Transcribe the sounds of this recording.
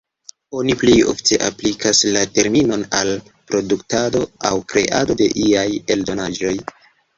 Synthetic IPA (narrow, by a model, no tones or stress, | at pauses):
o̞niplejo̞̰fte̞ʔaplikʰaslate̞ɾmino̞nal | pɾo̞duktado̞awkɾe̞̰ʔado̞de̞̰ʔiajeldo̞nad͡ʒo̞j